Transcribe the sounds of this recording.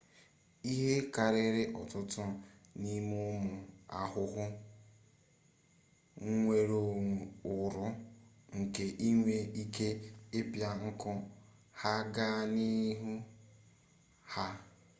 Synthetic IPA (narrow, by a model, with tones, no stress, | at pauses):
i˦ɦe˦ka˨ɾɪ˦ɾɪ˦ʔɔ˨tʊ˦tʊ˦ | ni˦mʊ˦mʊ˨a̰˨ɦʊ˦ɦʊ˦ | ŋ̩˦ŋʷe˨ɾo˨ʊ˨ɾʊ˦ | ŋ̩˨ke˨ʔi˦ŋʷe˦i˦ke˦e˦pja˦ŋ̩˦kɔ˦ | ha˦ɡa˦ni˦ɦu˦ | ha˦